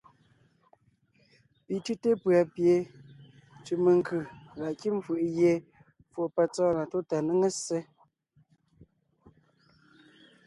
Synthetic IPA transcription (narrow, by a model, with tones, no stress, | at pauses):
pi˨tʉ˦te˦pɰa˨pje˨ | t͡ʃʉ˨me˨ŋ̩˨kɯ˨ɣa˨ʔki˦m˦fɯ˨ʔɣje˦ | fwo˨pɛ˦t͡sɔː˦na˨to˦ta˨nə˦ŋe˦se˦